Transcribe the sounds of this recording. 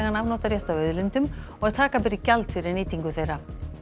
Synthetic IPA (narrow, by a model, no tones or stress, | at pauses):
ɣanavnɔːt̪aɾjɛht̪aœɥðlɪnt̪ʏm | ɔɣaðt̪ʰaːkap̬ɛɾɪcalt̪fɪɾɪɾniːt̪iŋkʏθejɾa